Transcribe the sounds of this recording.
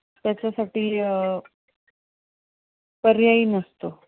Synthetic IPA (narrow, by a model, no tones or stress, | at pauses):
t̪jat͡ɕasaʈiː | pəɾjaiːnəst̪o